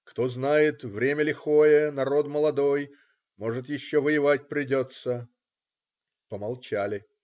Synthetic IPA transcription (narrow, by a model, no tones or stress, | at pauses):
kt̪o̞znajɪt̪vɾʲemʲəlʲɪxojənɐɾo̞d̪məlˠɐd̪o̞j | mo̞ʐɨt̪jɪɕːovəjɪvat̚ʲpɾʲɪdʲo̞t̪sə | pəmɐlˠt͡ɕalʲɪ